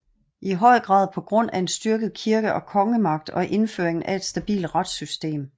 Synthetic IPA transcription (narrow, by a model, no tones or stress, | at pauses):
ʔiɦɒ̽ɪ̰ɡ̥ʁɑ̰̈ːðˠpʰɒ̽ɡ̥ʁɔ̽n̰æe̝nsd̥yɐɡ̥ð̞̩ˠkʰiɐɡ̥əʔɒ̽kʰɒ̽ŋəmɑ̈ɡ̥̚d̥ɒ̽ʔe̝nfø̰ɐeŋn̩ʔæe̝d̥sd̥æb̥ḭːld̥ʁɑ̈d̥sysd̥e̝̰ːm